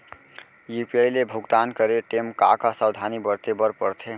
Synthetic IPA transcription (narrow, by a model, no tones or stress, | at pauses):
jupiejlebʱuɡt̪ankəɾeʈemkakasəwd̪ʱanibəɾt̪ebəɾpəɾt̪ʰe